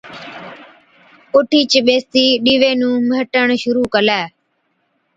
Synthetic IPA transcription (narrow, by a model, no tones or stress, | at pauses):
kʊʈʰiːt͡ʃɓeːst̪iːɗiːʋeːnũːməɦʈəɳʃʊɾuːkəlɛː